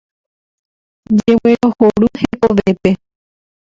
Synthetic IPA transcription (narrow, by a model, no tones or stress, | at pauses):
d͡ʒeweɾohoɾuhekoʋepe̞